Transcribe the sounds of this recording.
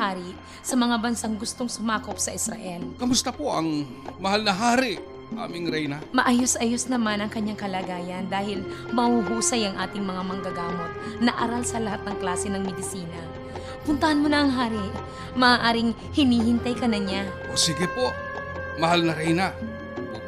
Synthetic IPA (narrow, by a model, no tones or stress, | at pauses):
haːɾɪʔ | sɐmɐŋabɐnsaŋɡʊst̪oŋsʊmaːko̞p̚sɐʔɪsɾɐ̰ʔɛlkɐmʊst̪ɐpoʔɐŋ | mɐhalnɐɦaːɾɪʔ | ʔa̰ːmɪŋɾɛjnamɐʔaːjosʔɐjosnɐmanɐŋkɐɲːaŋkɐlɐɡaːjɐnd̪aːhɪlmɐhuhuːsɐjɐŋʔaːt̪ɪŋmɐŋamɐŋɡɐɡaːmo̞t̪̚nɐʔaːɾalsɐlɐhat̪̚nɐŋklaːsɛnɐŋmɪd̪ɪsiːnɐ | pʊnt̪ɐhɐnmonɐʔɐŋɦaːɾɪ | mɐʔaːʔaːɾɪŋ | hɪniːhɪnt̪ɐjkɐnɐɲaʔosɪɡɪpo | mɐhalnɐɾɛjna